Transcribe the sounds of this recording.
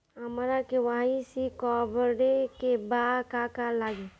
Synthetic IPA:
ɦəmɾakeʋaːisikɔbɾekebakakalaːɡe

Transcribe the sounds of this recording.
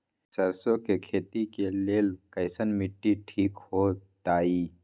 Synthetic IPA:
sɐɾsõkekʰeːt̪ikeleːlkɐɪsənmɪʈːiʈʰiːkhoːt̪aːiː

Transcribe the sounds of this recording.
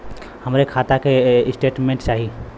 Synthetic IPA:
həmɾekʰat̪akesʈeːʈmẽɳʈt͡ʃaːɦi

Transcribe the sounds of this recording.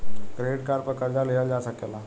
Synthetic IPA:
ɡɾeːɖkaːɾpɐɾkɐɾd͡ʒaleːjad͡ʒaːsɐkeːlaː

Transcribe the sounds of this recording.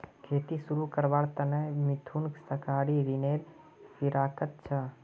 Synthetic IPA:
kʰeːt̪isuɾukəɾbaːɽt̪ənəmit̪ʰunksəkaɽiɾineːɾ | fiɾaːkət̪̚t͡ʃʰə

